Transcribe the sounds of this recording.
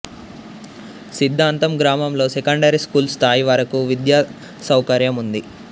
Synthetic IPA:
sid̪ʱːaːnt̪ɐmɡɾaːmɐmlo̞ːsekɐɳɖɐɾiskuːlst̪ʰaːjiʋaːɾɐkuʋid̪jaː | sɐwkɐɾjɐmund̪i

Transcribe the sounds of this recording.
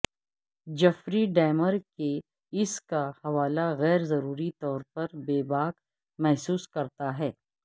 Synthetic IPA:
d͡ʒɐfɾiɖɛːməɾke | ɪskahɐʋaːlaɣɛːɾzɐɾuːɾit̪ɔːɾpɐɾbeːbaːk | mɛɦsuːskɐɾt̪aɦɛː

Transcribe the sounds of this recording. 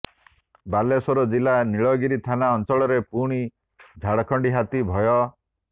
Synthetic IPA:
balesɔɾɔd͡ʒilaniɭɔɡiɾit̪ʰanaɔnt͡ʃɔɭɔɾepuɽ̃i | d͡ʒʱaɽɔkʰɔɳɖiɦat̪ibʱɔjɔ

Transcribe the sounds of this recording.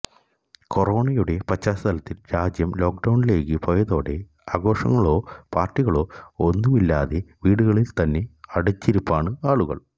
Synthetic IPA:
ko̞ro̞ːɳɐjuɽe̞prɐt͡ɕːaːsɐt̪ʰɐlɐt̪ːilɾaːd͡ʑjɐmlo̞ːk̚ɖɐwɳile̞ːkːɨpojɐðo̞ːɽe̞ | aːɡo̞ːʂɐ̰ŋːɐɭo̞ːpaːrʈːiɣɐɭo̞ːonːumilːaːðe̞ʋiːɽuɣɐɭilt̪ɐnːe̞ɐɽut͡ɕːiɾupːaːɳɨaːɭuɣɐ̰ɭ

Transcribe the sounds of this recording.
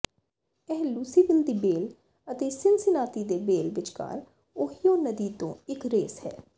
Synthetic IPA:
ɛːɦluːsiːbɪnd̪iːbeːl | ət̪eːsɪnsɪnaːt̪iːd̪eːbeːlʋɪt͡ʃka̰ːɾ | oɦijõːnəd̪iːt̪õ̰ːɪkɾeːshɛ̰ː

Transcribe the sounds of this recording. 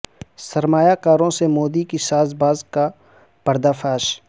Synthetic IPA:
səɾmaːjaːkaːɾõsemoːd̪ikisaːzbaːzka | pəɾd̪aːfʰaːʃ

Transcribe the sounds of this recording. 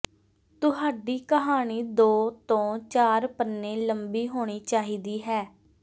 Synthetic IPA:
t̪ʊɦaːɖiːkəɦaːɳiːd̪oːt̪õːt͡ʃaːɾpənːẽːləmbiːɦoːɽ̃iːt͡ʃaːɦiːd̪iːɦɛː

